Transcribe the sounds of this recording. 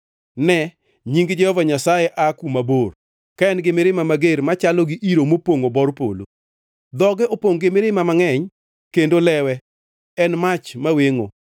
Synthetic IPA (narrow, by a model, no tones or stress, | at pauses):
nɛ | ɲiŋɡd͡ʒɛhɔvaɲasajeʔakumabor | kaɛnɡɪmɪɾɪmamaɡeɾmat͡ʃaloɡiʔiɾomopoŋobɔrpo̰lo̰ | d̪ɔɡɛʔopoŋɡɪmɪɾɪmamaŋɛɲ | kendolɛwɛ | ɛnmat͡ʃmaweŋo̰